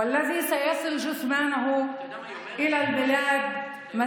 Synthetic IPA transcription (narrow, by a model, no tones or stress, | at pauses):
alːaðiːsajɑsˤɨlʒʊsmaːnɦʊ | ʔɪlalbɪlaːd̪ | ma